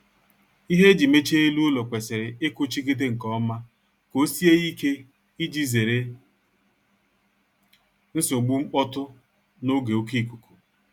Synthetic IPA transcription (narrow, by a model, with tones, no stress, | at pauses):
i˦ɦe˦d͡ʒi˨me˦t͡ʃe˦e˦lu˦o˦lo˨kʷe˨se˨ɾɪ˨ɪ˦kʊ˦t͡ʃi˦ki˦t̬e˦ŋ̩˨kɔ˦ma˦ | ko˦si˦e˦i˦ke˦ | i˦d͡ʒi˦ze˨ɾe˨ | n̩˦so˨ɡ͡bu˦ŋ͡m̩˦k͡pɔ˦tʊ˦ | no˦ɡe˨o˦ki˦˨ku˨ku̥˨